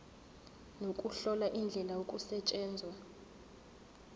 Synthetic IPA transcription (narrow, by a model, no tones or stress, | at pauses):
nokʼuɬɔlaʔind͡ɮʱɛlaokʼusɛt͡ʃʼɛːnd͡zʱwa